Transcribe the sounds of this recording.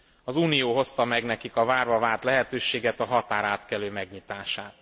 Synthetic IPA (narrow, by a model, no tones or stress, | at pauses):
ɒzuːnijoːɦo̞st̪ɒmɛɡnɛkikɒvaːrbɒvaːrt̪lɛɦɛt̪øːʃeːɡɛt̪ɒɦɒt̪aːɾaːt̪kɛløːmɛɡɲit̪aːʃaːt̪